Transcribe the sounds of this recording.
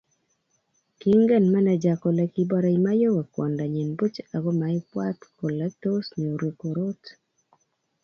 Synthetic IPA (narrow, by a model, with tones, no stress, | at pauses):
ki˦ŋɡɛ˦˨nma˦nɛ˨d͡ʒa˨kɔ˨lɛ˨ki˦bɔ˦ɾa˨ima˦jo˦wɛ˨kwɔ̰˨nda˨ɲi˨nbo˦t͡ʃa˨ɡo˦ma˨ɪ˦pwa˦t̪ko˨lɛ˦to˦sɲe˨o˨ɾwe˨ko˨ɾo˦t